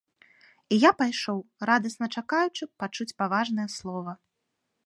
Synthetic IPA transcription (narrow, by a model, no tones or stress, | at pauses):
ijapajʂɔwɾad̪ɐsnɐt͡ʂakajut͡ʂɨpat͡ʂut͡sʲpavaʐnɐjɐslˠɔvɐ